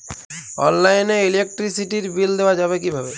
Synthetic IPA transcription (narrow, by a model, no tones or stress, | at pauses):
ɔ̰nlajneilek̚ʈɾisiʈiɾbild̪ewad͡ʑaβek̬ibʱabe